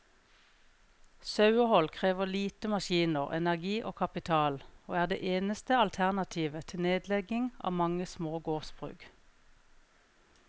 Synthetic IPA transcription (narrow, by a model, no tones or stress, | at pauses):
sɑʉɔhɔlkʰʁeːʋəʁliːt̪əmɑʃiːnəʁɛ̰næʁɡiːʔoːkʰɑpɪt̪ʰɑːloːæːʁd̪ḛːʔeːnəst̪əɑlt̪ʰæʁnɑt̪ʰiːʋət̪ʰɪneːd̪lɛɡɪŋɑ̰ːʋmɑŋəsmoːɡoːʁsb̥ʁʉ̰ːɡ